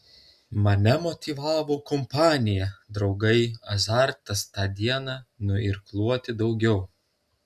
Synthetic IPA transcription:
mɐnʲɛmɔt̪ʲiʋɑːʋoːkɔmpɑːnʲɪjɛd̪ɾɒʊɡɐɪɐzɑˑɾt̪ɐst̪ɑːd̪ʲiɛnɑːnʊɪɾklˠuɔt̪ʲɪd̪ɒʊɡʲɛʊ

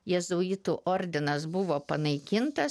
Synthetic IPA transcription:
jɛzoːɪt̪uʔoːɾʲd̪ʲɪnɐsbʊʋoːpɐnɐɪkʲɪnt̪ɐs

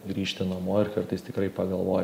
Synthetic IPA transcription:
ɡɾʲiːʃʲt̪ʲɪnomoːɪɾkɐɾt̪ɐɪst̪ʲɪkɾɐɪpɐɡɐlˠʋoːj

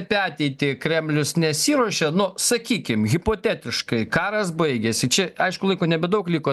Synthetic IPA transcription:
pʲæːt̪ʲɛɪt̪ʲɪkɾʲɛmʲlʲʊsnʲɛsʲiːɾoɔʃʲɛnʊsɐkʲiːkʲɪmɣʲɪpoːt̪ʲæːt̪ʲɪʃkɐɪkɑːɾɐs̬bɐɪɡʲɛsʲɪt͡ʃʲɛɐɪʃkʊlˠɐɪkoːnʲɛbʲɛd̪ɐʊklʲiːkoː

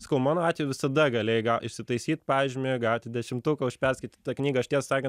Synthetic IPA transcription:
sɐ̥kɐʊmɑːnoːɑːt̪ʲʋʲejʋʲɪsɐd̪ɐɡɐlʲeːjɡɐlˠɪʃʲsʲɪt̪ɐɪsʲiːt̪pɑːʒʲd͡ʒʲmʲejɡɑlˠt̪ʲɪd̪ʲɛʃʲɪmt̪uːkɐʊʃʲpʲɛrʲsʲkʲɐɪt̪ʲiːt̪t̪ɐknʲiːɡɐɐʃt̪ʲiɛssɑːkʲɛnt

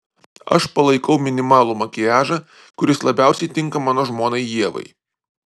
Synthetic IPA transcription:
ɐ̰ʃpɐlˠɐɪkɐʊmʲɪnʲɪmɑːlˠuːmɐkʲɪjæːʒɐ | kʊɾʲɪslˠɐbʲæˑʊsʲɛɪt̪ʲɪŋkɐmɑːnoːʒmoːnɐɪjiɛʋɐ̰ɪ

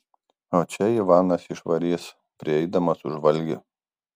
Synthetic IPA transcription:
oːt͡ʃʲɛiʋɑːnɐsɪʃʋɐɾʲiːs | pʲɾʲɪɛɪd̪ɐmɐsʊʒʋɐlʲɡʲʊ̰

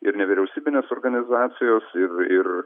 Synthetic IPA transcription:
ɪɾnʲɛʋʲiɾʲɛʊsʲiːbʲɪnʲeːsoːrɡɐnʲɪzɑːt̪sʲɪjoːsɪrɪr

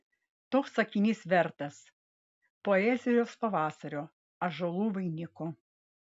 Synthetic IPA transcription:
t̪oːksɐkʲɪnʲiːsʋʲɛɾt̪ɐs | poɛzʲɪjoːspɐʋɑːsɐɾʲoː | ɐʒolˠuːʋɐɪnʲɪko

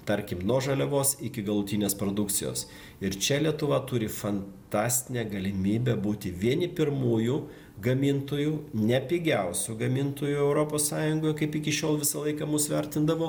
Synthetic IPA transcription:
t̪ɐɾʲkʲɪmnoːʒɐlʲɛʋoːsɪkʲɪɡɐlˠʊt̪ʲiːnʲeːspɾoːd̪ʊkt̪t͡ssʲɪjo̰ːs | ɪɾt͡ʃʲɛlʲiɛt̪ʊʋɐt̪ʊɾʲɪfɐnt̪ɑːsʲt̪ʲɪnʲɛːɡɐlʲɪmʲiːbʲɛbuːt̪ʲɪʋʲiɛnʲɪpʲɪɾmuːjuː | ɡɐmʲɪnt̪oːjuːnʲɛpʲiːɡʲɛʊsʲuɡɐmʲɪnt̪oːjuɛʊɾoːpoːssɑːjʊŋɡoːjkɐɪpɪkʲɪʃʲoːlˠʋʲɪsɐlˠɐɪkɐmʊsʋʲɛɾʲt̪ʲɪnd̪ɐʋoː

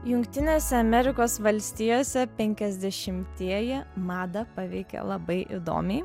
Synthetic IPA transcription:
jʊŋkt̪ʲɪnʲeːsʲɛɐmʲɛɾʲɪkoːsʋɐlʲsʲt̪ʲijoːsʲɛpʲɛŋʲkʲɛzʲd̪ʲɛʃʲɪmʲt̪ʲiɛjɛmɑːd̪ɐpɑʋʲɛɪkʲɛ̰lˠɐbɐɪʔɪ̰d̪o̰ːmʲɛɪ

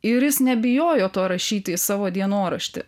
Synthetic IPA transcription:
ɪɾjɪsnʲɛbʲɪjoːjoːt̪oːɾɐʃʲiːt̪ʲɪsɑːʋoːd̪ʲiɛnoːɾɐʃʲt̪ʲɪ̰

